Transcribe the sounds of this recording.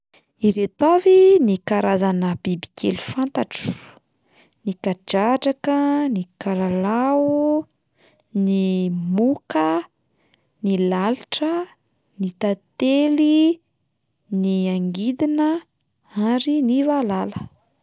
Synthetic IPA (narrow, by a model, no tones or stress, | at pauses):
iɾet̪avinikaɾʔazanəbibi̥kʰḛlifant̪aʈ͡ʂu̥ | nikaɖ͡ʐaʈ͡ʂakənikalalau | nimukə | nilaliʈ͡ʂə | nit̪at̪eli | niaŋɡid̪inə | aɾinivalalə̥